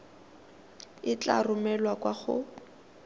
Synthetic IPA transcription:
ɪt͡ɬa̰rʊmɛlwakwaχʊ̰

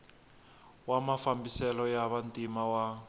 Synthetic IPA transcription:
wamafambisɛlɔjaβantʼimawa

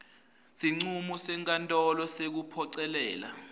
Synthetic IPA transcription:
siŋ͡ǀumusɛŋkʼantʼɔlɔsek̬upʰɔǀɛlɛːla̰

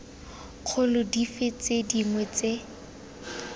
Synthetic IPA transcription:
q͡χʰʊlʊdifet͡sediŋwɛt͡se

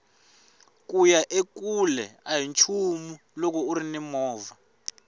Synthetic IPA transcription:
k̬ʼujaʔek̬ʼulɛaɦint͡ʃʰumu | lɔk̬ʼɔuɾinɛmɔːva

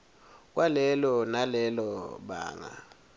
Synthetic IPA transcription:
k̬wʔalɛlɔnalɛlɔɓa̰ːŋa̰

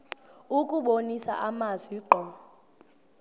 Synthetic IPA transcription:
ukʼuɓonisa̰ʔamazwiǃɔ

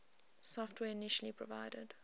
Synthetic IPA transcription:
sɔftʰwɛːɪniʃəlipʰɹɔvaɪdə̰d̥

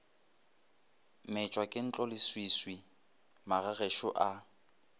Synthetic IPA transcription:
mɪt͡ʃʼwakʼɪn̩t͡ɬʼɔlɪswiswi | maɣaɣeʃʊʔa

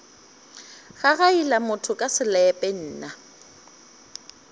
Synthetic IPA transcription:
ɣaɣailamʊtʰʊkʼasɪlɛpʼɛn̩ːna

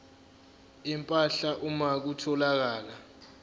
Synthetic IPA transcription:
impʼaɬaʔumak̬utʰɔlak̬aːla

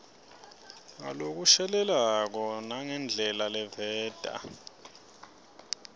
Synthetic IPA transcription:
ŋa̰lok̬uʃɛlɛlak̬ɔnaŋɛnd͡ɮʱɛlalɛvɛːd̥ʱa̰

